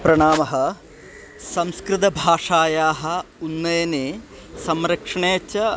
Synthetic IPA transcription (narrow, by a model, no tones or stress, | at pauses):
pɾɐɳaːmɐɦɐ̆ | sɐmskɾɪt̪̬ɐbʱaːʂaːjaːɦɐ̆unːɐjɐneː | sɐmɾɐkʂɐɳeːt͡ʃːɐ